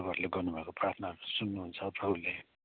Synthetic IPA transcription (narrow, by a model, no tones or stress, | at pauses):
bʌɾleɡʌrnubʱʌekoprat̪ʰnasunːuɦunt͡sʰʌprʌulːe